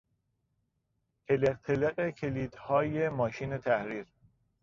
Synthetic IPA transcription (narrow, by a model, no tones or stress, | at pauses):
heleɾt̪ʰeleɣekʰeliːd̪̥hɒːjemɒːʃiːne̞t̪ʰæhɾiːɾ